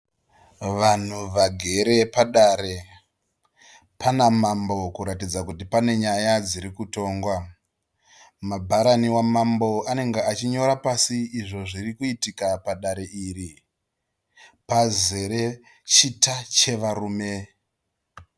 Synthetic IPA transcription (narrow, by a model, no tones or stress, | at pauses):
ʋan̤uʋaɡʱe̞ɾe̞paɗaːɾe̞ | panamambo̞kuɾatid͡zakutipane̞ɲajad͡ziɾikuto̞ːŋɡwa | mabʱaɾaniwamambo̞ane̞ŋɡeat͡ʃiɲo̞ɾapasiːʐo̞ʐirikuitikapaɗaɾe̞ʔiːɾi | paze̞ɾe̞ | t͡ʃitat͡ʃe̞ʋaɾuːme̞